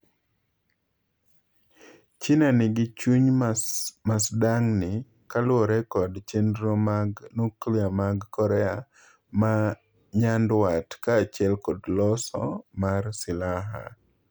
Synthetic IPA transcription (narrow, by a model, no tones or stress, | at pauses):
t͡ʃɪnanɪɡɪt͡ʃuɲ | masdaŋnɪ | kalʊɔɾɛkɔdt͡ʃendɾomaɡnukliamaɡkɔɾɛa | ma | ɲandwatkaːt͡ʃɛlkɔdlɔsɔ̰marsɪlaɦa̰